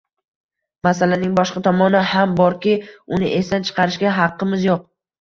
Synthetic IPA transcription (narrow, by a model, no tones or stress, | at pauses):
masalanɪŋbɒʃqɑt̪ʰɒmɒnɪhambɒɾkʲɪʊnɪʔe̞st̪ant͡ʃʰɨ̥qʰɑɾɪʃɡʲaɦɑqːɨmɪzjoq̚